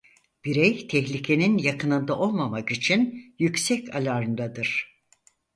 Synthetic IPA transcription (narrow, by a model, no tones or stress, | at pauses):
b̥iɾɛjt̪ʰɛçlʲicʲʰe̞ninjakʰɯnɯnd̪aʔo̞lˠmamakit͡ʃʰinjycsɛcʰalʲaɾɯnd̪ad̪ɯɾ̥